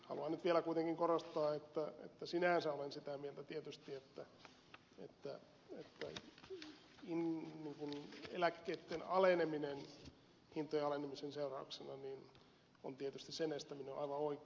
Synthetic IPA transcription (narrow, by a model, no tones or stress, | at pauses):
hɑ̰luɑnyt̪ʋielækuit̪eŋkiŋkorost̪ɑːet̪ːæḛt̪ːæsinæˑnsæolensit̪æmielt̪æt̪iet̪yst̪iet̪ːæ | ḛt̪ːæ | et̪ːæ | inniːŋkunḛlækːeːt̪ːenɑleneminen | hint̪ːˑojɑɑlenemisenseurɑuksenɑniːn | o̰nt̪iet̪yst̪issenest̪ːæmineoʔɑiʋɑoik